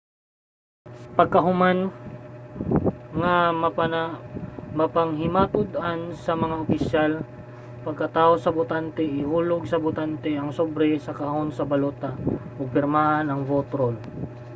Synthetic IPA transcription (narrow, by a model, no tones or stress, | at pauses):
pɐɡ̚kɐɦʊman | ŋɐm | mɐpɐŋɦɪmaːt̪ʊd̪ʔansɐmɐŋaʔʊpɪsjal | pɐɡkɐt̪aːʔosɐbʊt̪ant̪ɛʔɪhuːlʊɡsɐbʊt̪ant̪ɛʔɐŋsobɾɛsɐkɐɦonsɐbɐloːt̪aoɡ̚pɪɾmaːhɐnɐŋvot̪ɾol